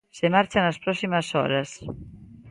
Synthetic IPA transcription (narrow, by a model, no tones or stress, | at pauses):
semaɾt͡ʃanaspɾɔsimasɔ̰ɾas